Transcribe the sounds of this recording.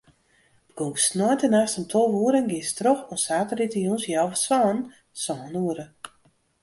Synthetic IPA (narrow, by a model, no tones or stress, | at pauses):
b̥əɡ̥usnɔjntənaːstəntʰɔlˠʋuəɾəŋɡɪstroxɔnsaːtəritəjunsjawfəswɔːən | sɔːənuəɾə